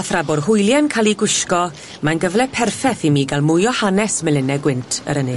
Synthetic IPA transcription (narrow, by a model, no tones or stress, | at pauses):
aθrabʊrhʊjlˠjankʰalˠiɡwɪʃkɔ | manɡəvlɛpʰɛrfɛθimiːɡalˠmʊjɔhanɛsmɛlɪnɛɡwɪntʰə̰ɾənɨ